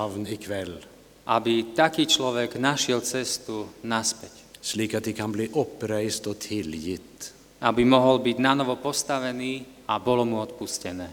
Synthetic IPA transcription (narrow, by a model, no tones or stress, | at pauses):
ʋnɪkʰʋɛlː | ʔabit̪akiːt͡ʃlɔʋɛɡnaʃɪɛlt͡sɛst̪unaspɛc | sliːkat̪̚d̪ɛkʰanbliːʔɔpːɾæɪst̪ɔːt̪ʰɪljɪt̪ | abimɔɦɔlbiɟnanɔʋɔpɔst̪aʋɛniː | abɔlɔmuɔt̪puscɛnɛː